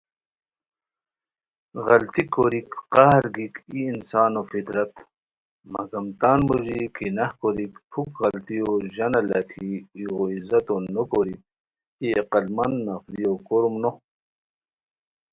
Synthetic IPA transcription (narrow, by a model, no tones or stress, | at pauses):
ɣɐlt̪ikːoɾikqɑhɾɡikiːnsaːnofit̪ɾɐt̪ | mɐ̰ɡɐmt̪aːnmoʑikinɐhkoɾikpʰukɣɐlt̪ioʑɐnɐlakʰiːoizɐt̪onokoɾik̚ | ieqɐlmɐnːɐfɾiokoɾumno